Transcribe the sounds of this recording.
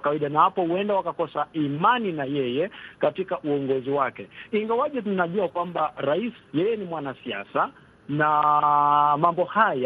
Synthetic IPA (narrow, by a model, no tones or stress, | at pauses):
kawaiɗanahapɔhuɛndawakakɔsaimaninajɛjɛkatikaʔuɔŋɡɔziwakɛiŋɡawaʄɛtunaʄuakwambaɾaisjɛjɛnimwanasia̰sa | na | mambɔhaja